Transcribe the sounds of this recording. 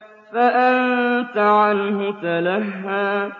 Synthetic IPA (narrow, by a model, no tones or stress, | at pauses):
faʔant̪aʕanhʊt̪alahːaː